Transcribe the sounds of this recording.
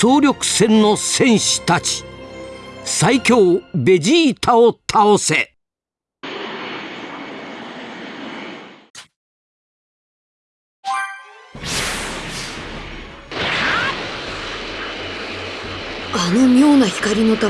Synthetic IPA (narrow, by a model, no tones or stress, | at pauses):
oːɾʲo̞kɯ̟̥sẽ̞nːo̞sẽ̞ɰ̃ɕɨ̥t̪at͡ɕi̥ | saikʲo̞ːbe̞d͡ʑiːt̪ʰaot̪ʰaose̞ | anomʲjo̞ːnaçi̥kaɾʲino̞t̪a